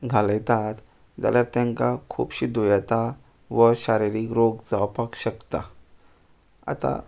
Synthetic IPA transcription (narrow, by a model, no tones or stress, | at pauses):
ɡʱaləjt̪at̪ | d͡za̰ljaɾt̪jãŋkakʰṵpɕiːd̪ojat̪a | ʋəɕaɾiɾikɾoɡd͡zawpakɕəkt̪a | a̰t̪a̰